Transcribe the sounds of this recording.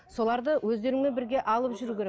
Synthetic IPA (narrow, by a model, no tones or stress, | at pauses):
so̞lˠɑɾd̪əwɵzd̪e̞ɾɪŋmebɪɾɡʲe̞ʔɑlˠəpʒʏɾukʲeɾe